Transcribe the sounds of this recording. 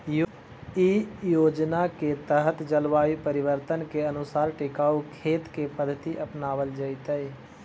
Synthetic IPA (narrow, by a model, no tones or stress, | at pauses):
jo | ijoːd͡ʒnaket̪əɦət̪d͡ʒəlʋaːipəɾɪʋəɾt̪ənkeənʊsaːɾʈɪkaːukʰeːt̪kepəd̪ʱːət̪iʔəpnaːʋəld͡ʒəit̪əi